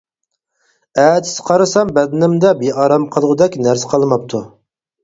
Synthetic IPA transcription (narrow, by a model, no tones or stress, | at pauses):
ɛːt̪ɪ̥sqʰɑɾɨsɑmbɛd̪ɪnɪmd̪ɛbeɑɾɑmqʰəlˠʁʊd̪ɛkʲnæɾsɪ̥qʰɑlˠmɑp̚t̪ʰu